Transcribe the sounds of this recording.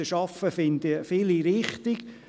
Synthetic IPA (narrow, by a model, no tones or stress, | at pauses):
əʃɑfəfɪnd̪ifɪliɾɪχtiɡ